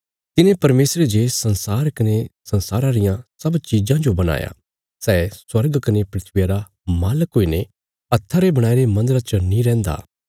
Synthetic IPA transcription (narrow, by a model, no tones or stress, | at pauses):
t̪ɪnẽpɐɾmeːsɾed͡ʒeːsɐ̃nsaːɾkɐnesɐ̃nsaːɾaɾɪjãsɐbt͡ʃid͡ʒãd͡ʒobɐña̰ːja̰ | sɛːswɐɾɡkɐnepɾɪt̪ʰʋɪjaɾa | maːləkɦoːine | ɐt̪ʰːaɾebɐɽ̃aːiɾemɐ̃nd̪əɾat͡ʃənĩɾɛ̃ːnd̪a̰ː